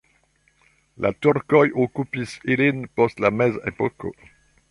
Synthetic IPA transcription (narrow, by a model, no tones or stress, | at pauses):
lʔa̰tuɾkojʔokupisilinpostlamezepɔko̰